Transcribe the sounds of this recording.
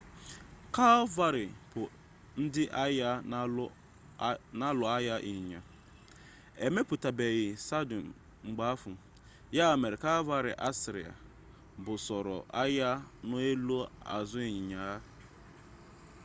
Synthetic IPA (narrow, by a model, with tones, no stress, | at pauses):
ka˦va˦ɾɪ˨pʊ˨ | n̩˦dɪ˦ʔa˦ja˦ | na˦lʊ˨a˦ja˦ʔi˨ɲ˨ɲa˨ | e˨me˦pʊ˨ta˨be˨ɣɪ˨sa˦do˨n˨ | ŋ͡m̩˨ɡ͡ba˦a˦fʊ˨ | ja˦˨me˨ɾe˨ka˦va˦ɾɪ̰˨ʔa˦sɪ˨ɾḭ˨a̰˨ | bʊ˨sɔ˨ɾɔ̰˨ʔa˦ja˦nʊ˦e˦lo˦a̰˨zʊ˦i˨ɲɪ˨ɲa˨a˦